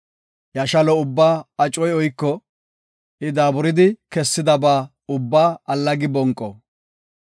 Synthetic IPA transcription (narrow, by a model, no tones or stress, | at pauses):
jɐʃɐlɔʊbːaːɐt͡ʃʼɔjɔjkːɔ | ɪd̪aːbʊɾɪd̪ɪkɛsːɪd̪ɐbaː | ʊbːaːɐlːɐɡɪbɔŋkʼːɔ